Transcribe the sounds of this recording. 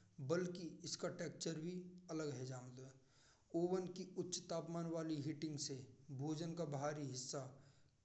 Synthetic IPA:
bəlkiɪskaʈɛːkt͡ʃəɾbʱiɐləɡɦɛd͡ʒaːmlɛ | oːwənkiʊtːʃt̪aːpmaːnʋaːliɦɪʈɪ̃ŋɡsebʱoːd͡ʒənkabɦaːɾiɦɪsːa

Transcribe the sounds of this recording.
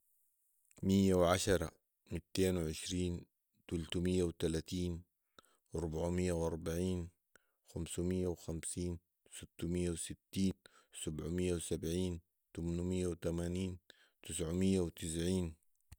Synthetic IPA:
mijːawʕaʃɑɾˤɑ̰ | mit̪ːeːnwɪʕɪʃɾiːn | t̪ʊlt̪umijːawt̪alaːt̪iːn | ɾˤubaʕmijːawʔɑɾˤbaʕiːn | xamsumɪjːawxamsiːn | sɪt̪ːumijːawsɪt̪ːiːnsabʕumijːawsabʕiːn | t̪amnumijːawt̪amaːniːn | t̪ɪsʕumijːawt̪ɪs̬ʕiːn

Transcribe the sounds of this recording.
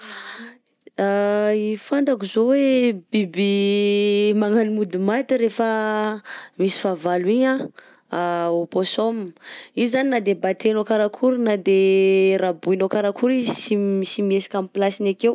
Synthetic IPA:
aifand̪akuzowebibi | maŋanimud̪imat̪iɾefə | misi̥favaliɲã | aoposomizaninad̪ebat̪enokaɾakʰuɾunad̪eɾabuinokaɾakʰuɾizsimisimiesḁkʲamplasinakew

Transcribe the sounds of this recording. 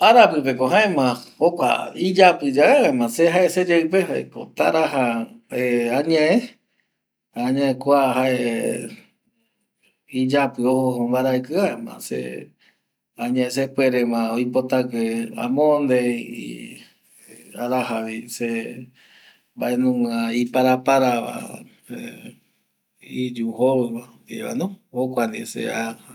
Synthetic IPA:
aɾapɨpekoɦãẽmãokʷa̰id͡ʒapɨd͡ʒaeaemãseɦaʔesed͡ʒeɨpeɦaḛkot̪a̰ɾahaeãɲãẽ | hãːɲãẽkʷaɦaʔe | id͡ʒapɨohombaɾaekɨaemã̰sḛ | aɲẽes̬epweɾemãojpot̪akea̰mõnd̪eḭ | aɾahaβise | mbaʔenũŋãipaɾapaɾaβa̰ | e | id͡ʒuɦoβɨmã | ḭa̰nõokʷand̪isḛa

